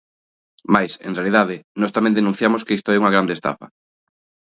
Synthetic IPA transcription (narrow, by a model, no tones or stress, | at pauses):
majsḛ̃nrealiðaðɪnɔst̪amɛ̃nd̪enũn̟θjamoskeist̪oɛuŋɐɣɾand̪est̪a̰fɐ̰